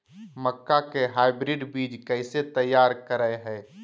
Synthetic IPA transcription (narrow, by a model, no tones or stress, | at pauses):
məkːakeɦaːɪbɾɪɖbiːd͡ʒkɛɪset̪əjːaːɾkəɾəeɦɛ̃ː